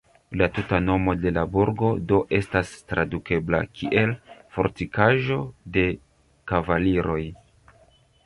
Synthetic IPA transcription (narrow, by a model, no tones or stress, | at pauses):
latutano̞mo̞de̞labuɾɡo̞do̞ʔe̞stastɾaduke̞bla̰kʰiʔe̞lfo̞̰ɾtikaʒo̞de̞ | kavaliɾo̞j